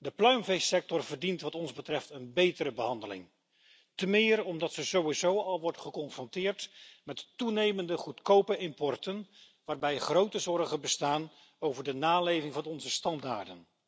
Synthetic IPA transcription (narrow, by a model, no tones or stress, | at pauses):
dəplœɥmvejsɛk̚tɔɹvəɹdintʋɑtɔnzbətrɛftənbejtəɾəbəɦɑndəlɪ̰ŋ | təmɪːrɔmdɑtsəzowizowɑlˠʋɔɹdəχəkɔnfrɔntɪːɹtmɛttunejməndəχutkowpəɪmpɔɹtən | ʋaːɹbɛjχrowtəzɔrχənbəstaːn | owvəɹdənaːlejvɪŋvɑnɔnzəstɑnda̰ːɹdən